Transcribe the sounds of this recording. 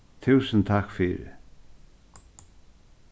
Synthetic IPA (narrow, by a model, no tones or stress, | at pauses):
t̪ʰʉːsənt̪ʰakfiːɾɪ̰